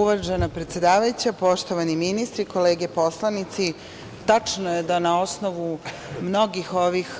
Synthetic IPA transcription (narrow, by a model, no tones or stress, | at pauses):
uʋarʒanapɾe̞t̪sje̞d̪aːʋajut͡ɕapo̞ʃt̪o̞ʋaniminist̪ɾiko̞le̞ːɡepo̞slˠanit̪si | t̪at͡ʂnoje̞d̪anao̞snoʋu | mno̞ɡixo̞ʋix